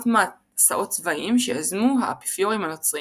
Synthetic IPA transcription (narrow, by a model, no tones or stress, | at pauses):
tma | saʔo̞t̚t͡svaʔimʃeazmuɦa̰api̥fjoʁimanot͡sʁi